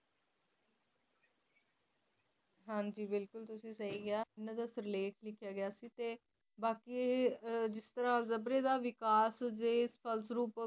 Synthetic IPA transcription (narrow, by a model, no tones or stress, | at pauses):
ɦãːɲd͡ʒiːbɪlkʊlt̪ʊsĩːsaiːɡɪaːɪnãd̪əsɾɪleːʈʰlɪkʰjaːɡɪjaːsiːt̪eː | baːkiː | d͡ʒɪst̪əɾaːzəbɾeːd̪aːʋɪkaːsd͡ʒeːspʰəlsɾuːp